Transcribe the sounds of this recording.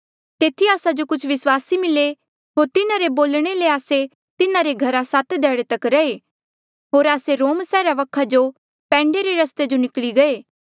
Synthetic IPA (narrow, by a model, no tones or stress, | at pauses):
t̪eːt̪ʰiaːsad͡ʒokʊt͡ʃʰʋɪswaːsimɪle | ɦoːɾt̪ɪnãɾeboːlɽ̃eleaːse | t̪ɪnãɾeɡʱɐɾasat̪d̪ɛːɽet̪ɐkɾɐeː | ɦoːɾaːseɾoːmsɛːɾaʋɐkʰad͡ʒo | pɛ̃ːɳɖeɾeɾɐst̪ed͡ʒonɪkliɡɐeː